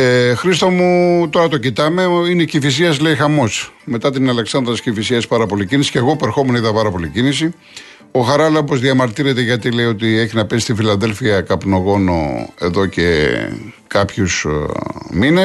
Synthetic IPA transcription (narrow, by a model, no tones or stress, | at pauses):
exɾist̪omut̪o̞ɾɐt̪o̞cit̪ɐme̞inecifis̬iɐsle̞ixɐmo̞sme̞t̪ɐt̪̬inɐle̞ksɐnd̪ɾɐt̪iscifisiɐspɐɾɐpo̞licinisi̥ceɣopoeɾxo̞meniðɐpɐɾɐpo̞licinisi | o̞xɐɾɐlɐopozðiɐmɐɾt̪iɾe̞t̪e̞ʝɐt̪ile̞iot̪̬ieçinɐpes̬ist̪ifilɐðe̞lfiɐkɐpno̞ɣo̞no̞̰e̞ðo̞ce̞̰ | kɐpçus | mine